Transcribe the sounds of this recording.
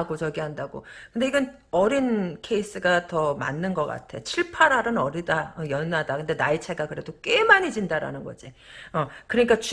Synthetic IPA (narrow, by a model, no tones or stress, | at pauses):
ɡot͡ɕʌɡiɦandaɡo̰kɯnde̞iɡʌn | ʌɾinkʰe̞is͈ɯɡatʌma̰nːɯnɡʌk͈a̰tʰe̞t͡ɕʰiɭpʰaɾaɾɯnʌɾidaʌjʌnːadakɯnde̞nait͡ɕʰe̞ɡakɯɾe̞dok͈we̞maɲid͡ʑindaɾa̰nɯnɡʌd͡ʑiʌkɯɾʌɲik͈at͡ɕu